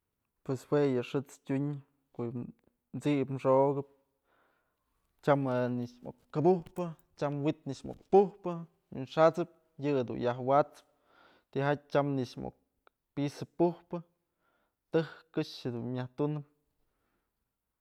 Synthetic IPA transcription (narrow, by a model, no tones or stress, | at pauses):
pweswejɨʂɨt͡stʲuɲ | koʔj | t͡siʔpmʂoʔɡɨp̚ | t͡ʃamɨniʂmo̰kkːabuhpɨ | t͡ʃamwit̪niʂmo̰k̚puhpɨ | jṵnʂat͡sɨp̚ | jɨd̪ṵnjaɦwat͡sɨ̥p̚ | t̪iɦat̚t͡ʃamniʂmo̰k̚ | piʔsɨppuhpɨ | t̪ɨhkɨʂhed̪unmʲaht̪unɨp̚